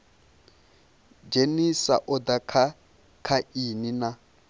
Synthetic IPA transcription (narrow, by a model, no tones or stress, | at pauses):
d͡ʒenisa̰ʔʊdakʰa | kʰainina